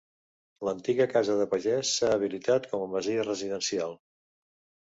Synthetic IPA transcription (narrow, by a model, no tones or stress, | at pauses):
lənt̪iɣəkazəðəpəʒɛsːaːβ̞ilit̪at̪kɔməməziərəziðənsialˠ